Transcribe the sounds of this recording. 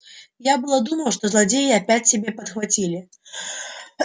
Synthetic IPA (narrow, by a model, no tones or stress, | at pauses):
jabɨlˠəd̪uməlˠʂt̪ozlˠadʲejɪɐpʲætʲsʲɪbʲe̞pət̪xvat͡sʲilʲɪ